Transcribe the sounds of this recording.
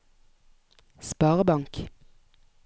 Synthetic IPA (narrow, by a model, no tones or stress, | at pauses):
spɑːʁəbɑŋk